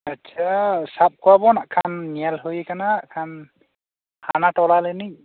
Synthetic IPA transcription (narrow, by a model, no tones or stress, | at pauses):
atːsʰasap̚kʰwabɔnaʔkʰanːialɦojɛkanaaʔkʰan | hanatɔlalɯni